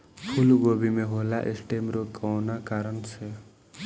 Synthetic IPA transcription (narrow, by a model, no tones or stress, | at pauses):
pʰulɡobimeɦolaʔesʈemɾokʰawnakaɾənt͡sʰe